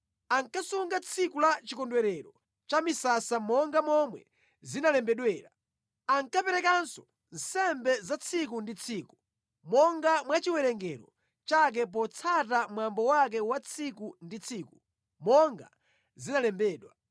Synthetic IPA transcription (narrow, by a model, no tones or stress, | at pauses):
aŋkasuŋɡat͡sʰikulat͡ʃikɔndwɛɾɛɾɔ | t͡ʃamisasamɔŋɡamɔmwɛ̰ | zinalɛmbɛɗwɛːɾa | aŋkapɛɾɛkansɔ̥ | n̩sɛmbɛzat͡sʰik̬undit͡sʰiːku | mɔŋɡamwat͡ʃiwɛɾɛŋɡɛɾɔ̰ | t͡ʃak̬ɛp̬ɔt͡sʰatamwambɔwak̬ɛwat͡sʰikundit͡sʰiːku | mɔŋɡa̰ | zinalɛmbɛːɗwa